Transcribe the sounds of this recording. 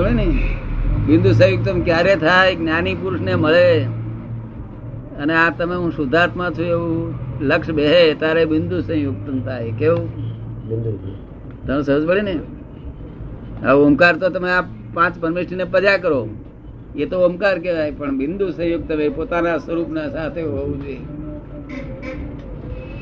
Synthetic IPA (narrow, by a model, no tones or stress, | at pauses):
əɭine | bɪ̃nd̪us̬ə̃juɡ̚t̪əmkjaɾet̪ʰajknjanipuɾʊʃneməɭe | əneat̪əmeɦũsʊd̪ʱaɾt̪ʰmãt͡ʃʰũeʋuləkʃbeɦet̪aɾebɪnd̪usə̃juɡ̚t̪əmt̪ʰajkeũ | u | t̪əmẽsəɦəd͡ʒbəɭine | əomkaɾt̪ot̪əmeap | pãt͡ʃpəɾmeʃninepəd͡ʒakəɾo | et̪oomkaɾketajpəɳbɪ̃nd̪usə̃joɡ̚t̪əʋepot̪anasəɾupnasat̪ʰeɦoʋũd͡ʒoe